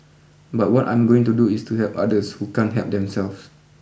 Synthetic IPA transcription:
bat̚wɔtã̰j̃mɡoɪ̃ŋtuduɪstuhɛpa̰dəshukãnɦɛ̰p̚dɛ̃msɛlfs

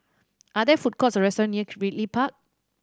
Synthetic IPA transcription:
ʔadɛfut̚kʰɔtsɹɛstɔɹãnːiəɹiʔlipak̚

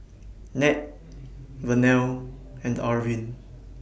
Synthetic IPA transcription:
nɛt̚ | vənɛlɛ̃ndaɹvĩn

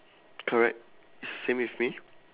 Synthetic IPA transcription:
kʰɔɹɛ̰k̚t | ɪsəsẽmwifmi

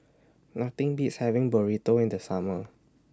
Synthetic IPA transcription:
nat̪ɪ̃ŋbitshɛvɪ̃ŋbɔɹit̪oɪ̃ndəsamə

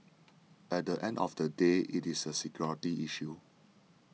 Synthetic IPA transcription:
ɛt̚dəʔɛ̃ndɔ̰fdədeʔitisəsikjɔɹətiʔiʃu

